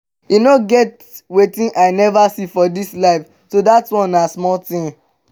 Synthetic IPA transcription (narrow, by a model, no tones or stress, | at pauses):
jinoɡɛt | wetĩnʔaɪnɛvasifɔdislaɪf | todatwɔ̃nasmɔltĩn